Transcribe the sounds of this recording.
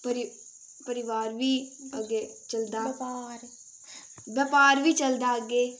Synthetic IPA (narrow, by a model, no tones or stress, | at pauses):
pəɾɪ | pəɾɪʋaːɾʋiːəɡeːt͡ʃəld̪aː | bəːpaːɾʋiːt͡ʃəld̪aːəɡeː